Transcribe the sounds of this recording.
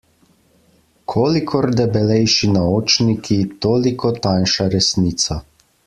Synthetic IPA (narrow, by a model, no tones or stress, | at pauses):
kʰoːlikʰɔɾd̪ɛbɛlɛjʃinaoːt͡ʃnikʰit̪oːlikʰɔt̪anʃaɾɛsniːt̪sa